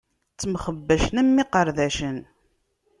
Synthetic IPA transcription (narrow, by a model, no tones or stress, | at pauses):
t͡sːəmχəbːəʃnəmːiqəɾðæʃən